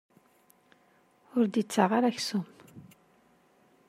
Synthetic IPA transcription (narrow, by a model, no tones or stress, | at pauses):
ʊɾd̪jit͡sːaʁaɾæçsʊm